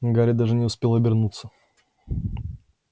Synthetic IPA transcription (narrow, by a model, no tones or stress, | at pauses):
ɡaɾʲɪd̪aʐɨnʲɪʊspʲelˠɐbʲɪrnut̪sːə